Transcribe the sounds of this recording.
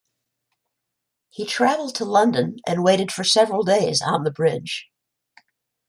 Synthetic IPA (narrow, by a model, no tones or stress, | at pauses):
hitʰɹ̥ævl̩ˠd̚tʰəlʌ̃ndɨ̃nʔɨ̰̃nweɪɾɨd̥fə˞sɛvɹl̩ˠdeɪzn̩ðəbɹɪd̥ʒ̥